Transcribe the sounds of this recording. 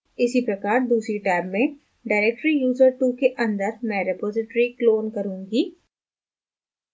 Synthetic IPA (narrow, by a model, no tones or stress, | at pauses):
ɪsipɾɐkaːɾd̪uːsɾiʈaːbmẽ | ɖaːɪɾeːk̚ʈɾijuːzəɾʈuːkeʔɐ̃nd̪əɾmɛ̃ːɾɪpoːzɪʈɾikloːnkɐɾũːɡiː